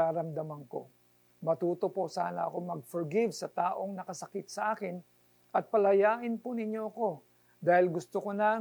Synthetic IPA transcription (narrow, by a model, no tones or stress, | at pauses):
aːɾɐmd̪ɐmɐŋko̞̰ | mɐt̪uːt̪o̞po̞sa̰ːnɐʔɐ̰ko̞ŋmɐɡ̚foɹɡɪvsɐt̪aːʔo̞ŋnɐkɐsɐkɪt̪̚sɐʔaːkɪn | ʔɐt̪̚pɐlɐjaːʔɪnponɪɲjoʔɐko̞ | d̪aːhɪlɡʊst̪okonɐ